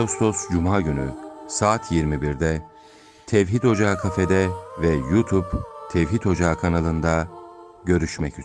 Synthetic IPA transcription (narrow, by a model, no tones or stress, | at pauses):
aust̪ʰo̞sd͡ʒumaːɟyny̰saːt̪ʰjiɾmibiɾd̪ɛ | t̪ʰɛvɦit̪ho̞d͡ʒaːkʰafed̪ɛvɛjut̪ʰupt̪ʰɛvɦit̪ho̞d͡ʒaːkʰanalˠɯnd̪a | ɟø̞ɾyʃmɛcy